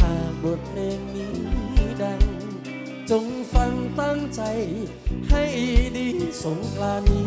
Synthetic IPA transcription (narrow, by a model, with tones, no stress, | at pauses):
t̪ʰaː˨˧˩ŋbo˨˩t̪̚pʰleː˧ŋniː˦˥˧da˧ŋ | t͡ɕo˧ŋfa˧ŋt̪a˥˩ŋt͡ɕa˧j | ha˥˩jʔːdiː˧˩so˨˦ŋklaː˧nːiː˦˥